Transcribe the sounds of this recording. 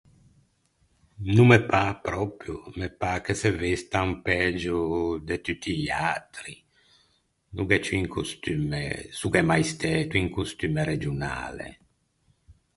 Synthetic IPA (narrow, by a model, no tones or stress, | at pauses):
numepapɾɔpɾjumepakesevist̪aumpɛd͡ʒud̪et̪yt̪ːiʎa̰t̪ɾi | nuɡɛt͡ʃuiŋkust̪ymḛsukɛmajst̪ɛːt̪uiŋkust̪ymeɾed͡ʒuna̰ːlḛ